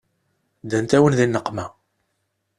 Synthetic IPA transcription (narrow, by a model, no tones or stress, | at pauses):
d̪ænt̪æwənðinːəqːmæ